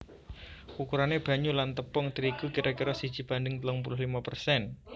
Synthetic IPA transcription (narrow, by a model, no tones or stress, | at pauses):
ukuɾaneb̥a̤ɲulant̪əpɔŋt̪iɾikukiɾɔkiɾɔsi̥ʒ̥i̤b̥a̤ndəŋt̪əlʊŋpulʊɦlimapərsɛn